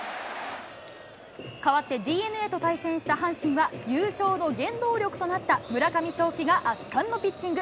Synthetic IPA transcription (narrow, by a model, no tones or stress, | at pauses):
kaβat̪ːe̞d̪ʲiːe̞nɯ̟e̞t̪o̞t̪aisẽ̞ɕi̥t̪aɦãɰ̃ɕĩɰ̃βajɯːɕo̞ːno̞ɡẽ̞nd̪o̞ːɾʲo̞kɯ̟̥t̪o̞nat̪ːamɯ̟ɾakamʲiɕo̞ːkʲiɡaʔat̪ːãnːo̞pʲit͡ɕt͡ɕːĩŋɡɯ̟